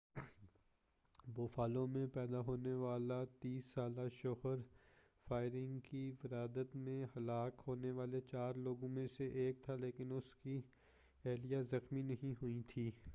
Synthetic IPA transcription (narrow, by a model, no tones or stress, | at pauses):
boːfaːlõmẽpɛːd̪aɦoːneʋaːlat̪iːsːaːlaʃʊɦəɾ | faːɪɾɪ̃ŋɡkiʋɪɾaːd̪ət̪mẽhɐlaːkɦoːneʋaːlet͡ʃaːɾloːɡõmẽseʔeːk̚t̪ʰaleːkɪnʊski | ɛːlijazɐxminɐɦĩɦʊit̪ʰiː